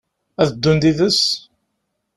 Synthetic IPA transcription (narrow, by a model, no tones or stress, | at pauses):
æðəd̪ːund̪iðəs